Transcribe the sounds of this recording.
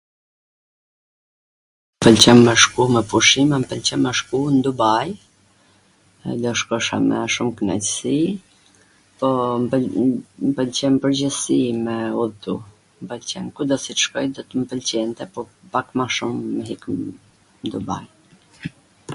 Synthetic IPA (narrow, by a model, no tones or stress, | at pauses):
mpəlt͡ɕɛmːɛʃkumɛpuʃimampəlt͡ɕɛmːɛʃkund̪ubaj | lɔʃkɔʃa̰mɛ̰ʃumknɛ̰csi | pɔ | mpəlt͡ɕɛmpəɾd͡ʑəsimɛuðt̪u | mpəlt͡ɕɛ̰nkud̪ɔsit̪ə̥ʃkɔjd̪ɔt̪əmpəlt͡ɕɛnt̪ɛpɔpakmaʃumːɛɦik | nd̪uba̰j